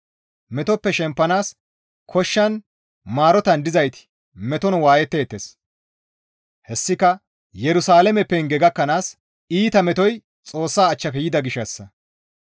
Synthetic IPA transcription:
mɛt̪ɔpːɛʃɛmpːɐnaːs | kʰɔʃːɐn | maːɾɔt̪ɐnd̪ɪzɐjt̪ɪ̥ | mɛt̪ɔnwaːjɛt̪ːe̞ːt̪ːes | hɛsːɪkɐ | jɛɾʊsaːlɛmɛpːɛnɡɛɡɐkːɐnaːs | iːt̪ɐmɛt̪ɔj | t͡sʼo̞ːsːaːt͡ʃːɐkɛjɪd̪ɐɡɪʃːɐsːɐ

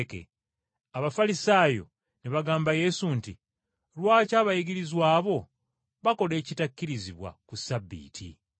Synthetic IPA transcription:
kḛ | aβafalisaːjo̞̰ | niβaɡaːmbaje̞sunti | lwaːcaːβajiɡiɾizwaːβo̞ | βako̞le̞ːcitakːiɾiziβwa̰kusabːḭːtʰḭ

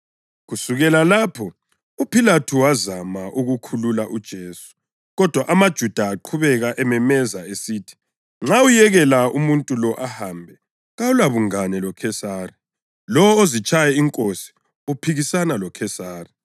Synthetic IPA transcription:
ɣusuɣɛlalaːpʰɔ | upʰilatʰuwazamaʔuɣukʰululaʔud̥ʒ̥ʱeːsu̥ | ɣɔd̥ʱwaʔamad̥ʒ̥ʱud̥ʱaːǃʰuβɛɣaʔɛmɛmɛzaesiːtʰi̥ | ŋ͡ǁaujɛɣɛlaumuntʼulɔʔahaːmbʱɛ | ɣaulaβuŋanɛlɔkʰɛsaːri | lɔwɔozit͡ʃʼajɛiŋkʼosi̥ | upʰiɣisanalɔkʰɛsaːri

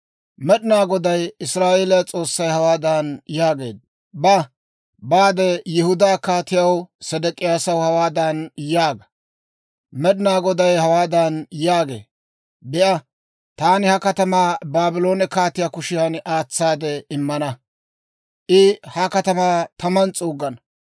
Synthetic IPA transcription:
mɛɗɪnaːɡɔd̪ɐjɪsɾaːʔeːlɐjt͡sʼo̞ːsːɐjhɐwaːd̪ɐnjaːɡe̞ːd̪̚ | bɐ | baːd̪ɛjɪhʊd̪aːkaːt̪ɪjɐwsɛd̪ɛkʼɪjaːsɐwhɐwaːd̪ɐnjaːɡɐ̥ | mɛɗɪnaːɡɔd̪ɐjhɐwaːd̪ɐnjaːɡe̞̰ː | bɛʔɐ | t̪aːnɪhɐkɐt̪ɐmaːbaːbɪlo̞ːnɛkaːt̪ɪjaːkʊʃɪjɐnʔaːt͡sːaːd̪ɛɪmːɐnɐ | ʔɪhɐkɐt̪ɐmaːt̪ɐmɐnt͡sʼuːɡːɐnɐ

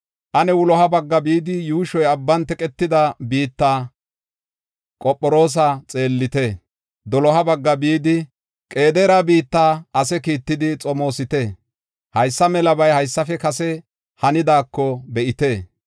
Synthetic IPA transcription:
ʔɐnɛwʊlɔɦɐbɐɡːɐbiːd̪ɪjuːʃɔjɐbːɐnt̪ɛkʼɛt̪ːɪd̪ɐbiːt̪ːaː | kʼɔpʼːɔɾo̞ːs̬at͡sʼe̞ːlːɪt̪eː | d̪ɔlɔɦɐbɐɡːɐbiːd̪ɪ | kʼe̞ːd̪ɛɾabiːt̪ːaːʔɐsɛkiːt̪ːɪd̪ɪt͡sʼɔmo̞ːsɪt̪eː | hɐjsːɐmɛlɐbɐjhɐjsːɐfɛkɐsɛ | hɐnɪd̪aːkːɔbɛʔɪt̪e̞ː

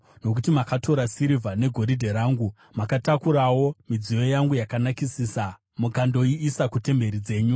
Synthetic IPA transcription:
no̞kutimakatʰo̞ɾasiɾivʱane̞ɡʱo̞ɾidʱe̞ɾaːŋɡu | makatakuɾawo̞mid͡zijo̞jaŋɡujakanakisisa | mukando̞iːsakute̞mbe̞ɾid͡ze̞ːɲu

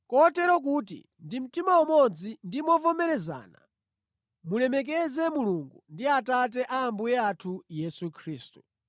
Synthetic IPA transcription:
kɔtɛɾɔk̬uːtḭ | ndim̩timawumɔd͡zindimɔvɔmɛɾɛza̰ːna̰ | mulɛmɛk̬ɛzɛmuluŋɡundiatat̬ɛʔaːmbujɛatʰujɛsukʰɾiːstu̥

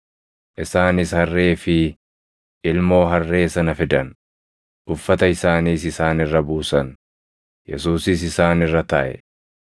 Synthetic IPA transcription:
ʔɪsaːnɪshɐrːe̞ːfɪ | ʔɪlmo̞ːɦɐrːe̞ːsɐnɐfɪd̪ɐn | ʔʊfːɐt̪ɐɪsaːniːsɪsaːnɪrːɐbuːsɐn | jɛ̰suːsɪs̬ɪsaːnɪrːɐt̪ɐ̰ʔɛ̰

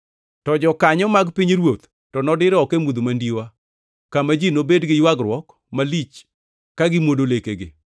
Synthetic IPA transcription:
tɔd͡ʒɔkaɲɔmaɡpiɲɾwot̪ | tɔnɔdɪɾɔkemud̪omandiwa | kamad͡ʒinobedɡɪjwaɡɾwɔk | malit͡ʃ | kaɡɪmwodolekeɡɪ̰

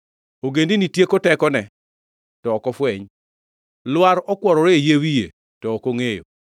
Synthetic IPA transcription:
oɡendinitjekotɛkɔnɛ | tɔːkɔfwɛɲ | lwaɾɔkwɔɾɔɾeejewijḛ | tɔːkoŋejo̰

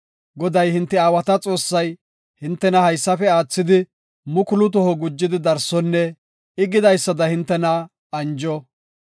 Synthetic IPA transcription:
ɡɔd̪ɐjhɪnt̪ːɛaːwɐt̪ɐt͡sʼo̞ːsːɐj | hɪnt̪ːɛnɐhɐjsːɐfɛaːt͡sːɪd̪ɪ | mʊkʊlʊt̪̬ɔhɔɡʊd͡ʒːɪd̪ɪd̪ɐɾsɔnːɛ | ɪɡɪd̪ɐjsːɐd̪ɐhɪnt̪ːɛnɐ | ɐnd͡ʒɔ

